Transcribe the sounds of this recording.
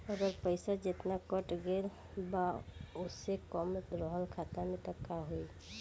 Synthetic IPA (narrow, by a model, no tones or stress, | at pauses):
əɡɔɾpəjsɔd͡ʒet̪nakɔʈɡel | baosekɔmɾɔɦɔlkʰat̪anit̪əkːaɦoj